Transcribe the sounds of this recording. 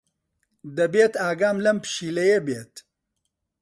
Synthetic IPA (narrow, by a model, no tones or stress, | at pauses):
d̪ɐbeːt̪aːɡaːmlɐmpɨ̥ʃiːlɐjebeːt̪